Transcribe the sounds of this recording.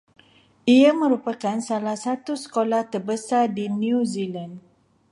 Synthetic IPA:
ʔiamə̃ɾupakansalahsat̪usə̥kolaht̪ərbəsardiniuziland

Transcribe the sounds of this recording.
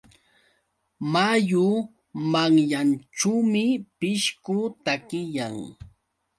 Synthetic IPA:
majʊ | maŋʎant͡ʃuwmɪpɪʃkʊt̪akɪjaŋ

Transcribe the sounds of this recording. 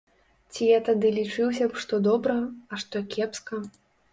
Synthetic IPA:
t͡sʲijat̪ad̪ɨlʲit͡ʂɨwsʲɐpʂt̪ɔd̪ɔbɾɐɐʂt̪ɔkʲɛpskɐ

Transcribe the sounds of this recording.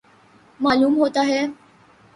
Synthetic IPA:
maːluːmɦot̪aɦɛː

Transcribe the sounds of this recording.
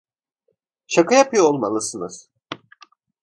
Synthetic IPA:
ʃakajapʰɯjoolˠmalˠɯsɯnɯz̥

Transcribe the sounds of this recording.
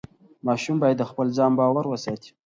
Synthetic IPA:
mɑʃumbɑjad̪ːəxpəlzɑmbɑwaɾwəsɑt̪i̥

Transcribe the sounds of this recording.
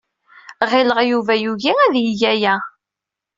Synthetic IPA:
ʁɪləʁjuvæjuʝiæðjiʝæjæ

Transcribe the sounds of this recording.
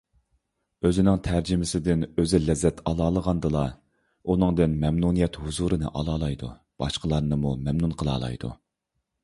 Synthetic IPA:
øzɪnɪŋt̪ʰæɾd͡ʒɪmɪsɪd̪ɪnøzɪlɛzːɛt̪ʰɑlˠɑːlˠəʁɑnd̪ɨlˠɑ | unɨŋd̪ɨnmɛmnunijɛt̪huzuɾɨnɨ̰ʔɑlˠɑːlˠɑjd̪ṵ | b̥ɑ̰ʃqəlˠɑɾnɨmumɛmnunqʰəlˠɑ̰ːlˠɑ̰jd̪ṵ

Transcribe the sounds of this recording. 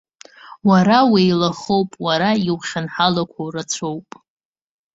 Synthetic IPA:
waɾawejlaχowpʼwaɾaiwχʲanħalakʷʰawrat͡sʷʰowpʼ

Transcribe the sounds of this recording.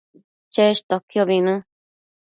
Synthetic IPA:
t͡ʃeʃt̪okioβinũ

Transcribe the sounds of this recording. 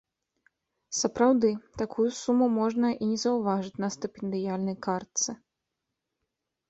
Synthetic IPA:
sɐpɾawd̪ɨt̪akʰujusumumɔʐnɐʔinʲɛzɐwvaʐɨt͡sʲnɐst̪ɛpʲɛnd̪ɨjalʲnɐjkart̪sɨ

